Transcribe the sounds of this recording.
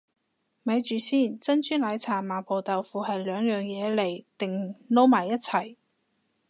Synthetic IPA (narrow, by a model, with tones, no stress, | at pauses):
mɐ˨˧jt͡ʃyː˨siː˥˩nt͡sɐ˥nt͡ʃyː˥nlaː˨˧˥jt͡sʰaː˨˩maː˨˩pʰo˨˩t̪ɐ˨wfuː˨hɐ˨jlœː˨˧ŋjœː˨ŋjɛː˨˧le˨˩jt̪ɪ˨ŋlo˥wmaː˨˩jːɐ˥t̚t͡sʰɐ˨˩j